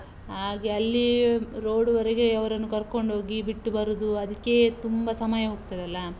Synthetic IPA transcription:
ɦaːɡeɐlːiɾo̞ːɽuʋɐɾeɡe̞ɐʋɐɾɐnːukɐɾko̞ɳɖʱo̞ːɡibiʈːubɐɾud̪uɐd̪ɐkːe̞t̪umbɐsɐmɐjɐɦoːɡ̚t̪ɐd̪eɐlːɐ

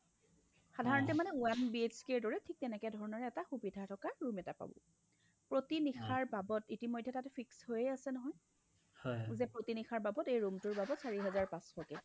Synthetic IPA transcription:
xadʱaɹɔntɛmanɛuanbieskeɹdɔɹɛtʰik̚tɛnɛkɛjdʱɔɹɔnɔɹɛːtaxubidʱatʰɔkaɹumɛtapa̰bɔ̰ | pɹotinixʰaɹbabɔtitimojdʱːɛtatɛpʰikshojɛasɛnɔɦɔj | hɔjzɛpɹotinixʰaɹbabɔtejɹumtʊɹbabɔtsaɹiɦɛzaɹpãsxɔkɛ

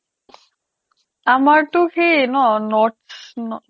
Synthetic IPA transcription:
amaɾt̪ukʰenɔnɔʈsnɔ

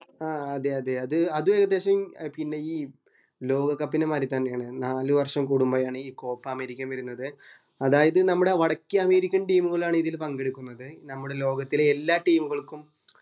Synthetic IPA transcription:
aːɐðe̞ɐðe̞ɐðɨɐðue̞ːɣɐd̪ːe̞ːɕɐmmpinːe̞iː | lo̞ːɡɐkːɐpːinemaːɾit̪ːaːnːejaːɳɨnaːlɨʋɐrʂɐmkuɽumbɐjaːɳɨiːko̞ːpːɐːmeːɾikʲːɐmʋɐɾunːɐðɨ | ɐðaːjɐðɨnɐmːuɽe̞ʋɐɽɐkʲːiɐme̞ːɾikʲːɐnʈiːmuɣɐɭaːɳɨiðilpɐŋɡeɽukːunːɐðɨnɐmːuɽe̞lo̞ːɡɐt̪ːileelːaːʈiːmuɣɐɭkːum

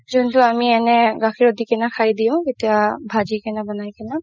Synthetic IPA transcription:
zʊntʊamiɛnɛɡaxʰiɹodikɛnakʰajdiʊ̃ketiabʱazikɛnabɔnajkɛna

